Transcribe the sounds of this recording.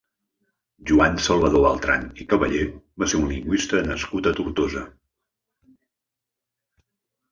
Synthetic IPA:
ʒuansəlˠβəðoə̰lˠt̪ɾa̰nikəβə̰ʎeβaseunliŋɡwist̪ənəskut̪ət̪uɾt̪ozə

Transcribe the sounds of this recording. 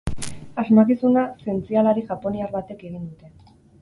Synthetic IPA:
azmakisunase̞nt͡sialaɾiʝapo̞niaɾβat̪e̞ke̞ɣ̞ind̪ut̪e̞

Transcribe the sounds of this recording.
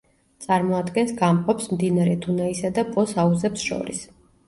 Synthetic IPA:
t̪sʼaɾmɔad̪ɡɛnsɡamqʼɔpsmd̪inaɾɛd̪unaisad̪apʼɔsauzɛpsʃɔ̰ɾḭs

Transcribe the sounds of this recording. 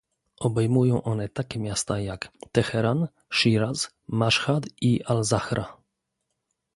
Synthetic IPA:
ʔɔbɛjmujɔ̃w̃ʔɔnɛt̪akʲɛmʲjast̪ajakt̪ɛxɛɾan | ʂiɾaz | maʂxad̪iʔalzaxɾʔa

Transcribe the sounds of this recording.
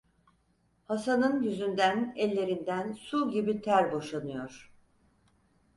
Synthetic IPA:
hasanɯnjyzynd̪ænɛlʲːe̞ɾind̪ænsuɟibit̪ʰæɾbo̞ʃanɯjo̞ɾ̥

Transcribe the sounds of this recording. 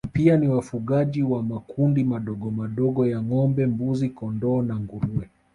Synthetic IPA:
pianiwafuɠaʄiwamakundimaɗɔɡɔmaɗɔɠɔjaŋɔmbɛmbuzikɔndɔːnaŋɡuɾuɛ

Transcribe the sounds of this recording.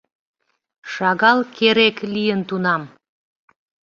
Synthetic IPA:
ʃɑɣɑlkeɾeklijənt̪unɑm

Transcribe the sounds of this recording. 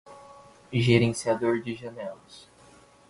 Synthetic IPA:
ʒeɾẽsiad̪oɾd͡ʒɪʒɐnɛlʊs

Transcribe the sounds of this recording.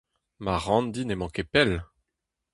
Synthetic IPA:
maʁɑ̃nd̪inemɑ̃kepɛl

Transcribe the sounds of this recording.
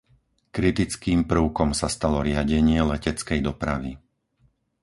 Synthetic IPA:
kɾit̪it͡skiːmpɾ̩ʊkɔmsast̪alɔɾɪaɟɛɲɪɛlɛcɛt͡skɛjd̪ɔpɾa̰ʋi

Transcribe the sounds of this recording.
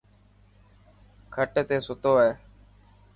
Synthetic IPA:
kʰəʈːt̪eːsʊt̪oːeː

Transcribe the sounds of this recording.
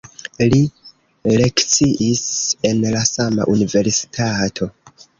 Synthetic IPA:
li | le̞kt͡siʔise̞nlasama̰ʔunive̞ɾsi̥tʰatʰo̞

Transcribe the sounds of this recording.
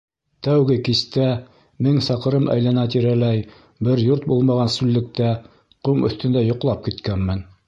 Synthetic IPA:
t̪æwɡɘkist̪æ | mɘŋsɑqɤ̆ɾɤmʔæ̰jlænɑt̪iɾælæj | bɘɾjuɾt̪̚bulˠmɑʁɑnsʉlːɘ̆k̚t̪æ | qumʔɵ̰̆θt̪ɵ̆nd̪æjŏqlˠɑp̚kit̪kænmɘn

